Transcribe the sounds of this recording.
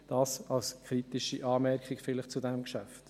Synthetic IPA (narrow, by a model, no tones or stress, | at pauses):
d̥ɑːsɑlskʰχɾitɪʃiʔɑːmɛɾkɪkfɪləχt͡sudɛmkʃæft